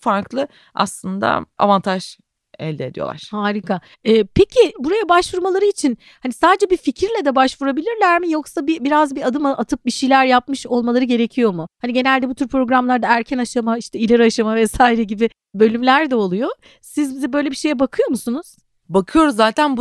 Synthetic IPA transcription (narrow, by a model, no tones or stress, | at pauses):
faɾklˠɯ | a̰slˠɯnd̪a̰a̰vant̪ʰaʒ | ɛ̰lʲd̪ed̪ijo̰a̰ɾ̥haːɾika | ɛːpʰecʰibuɾajabaʃvuɾmalˠaɾɯit͡ʃʰin | hanisaːd̪ed͡ʒɛbificʰiɾlʲɛd̪ɛbaʃvuɾabilʲiɾlʲæɾmijo̞ksabibiɾazbiad̪ɯmaat̪ʰɯp̚biʃijlʲæɾjapmɯʃo̞lˠmalˠaɾɯɟe̞ɾecʰijo̞muhaniɟe̞nælʲd̪ɛbut̪ʰyɾpɾo̞ɡɾamlˠaɾd̪aæɾcʰɛnaʃamaiʃt̪ʰɛilʲɛɾaʃamavɛsaːiɾɛɟibɪ | bø̞lʲymlʲæɾd̪ɛolˠujo | sizbizɛbø̞jlʲebiʃe̞jɛbakʰɯjo̞musunuz̥ | bakʰɯjo̞ɾuzzːaːt̪ʰænb